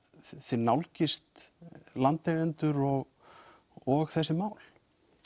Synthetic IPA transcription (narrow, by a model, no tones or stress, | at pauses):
θɪɾnawlcɪst̪lant̪ɛɣɛnt̪ʏɾɔɣ | ɔɣθɛsːɪmaːwl̥